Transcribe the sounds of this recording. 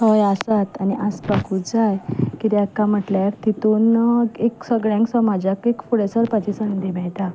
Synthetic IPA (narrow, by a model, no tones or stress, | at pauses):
ɔjasat̪aniʔaspakud͡zajkit̪ɛakːam̤əʈlaɾt̪it̪uneksəɡɭjãŋksɔmad͡ʑakekfuɽesəɽpad͡ʑisənd̪imɛt̪a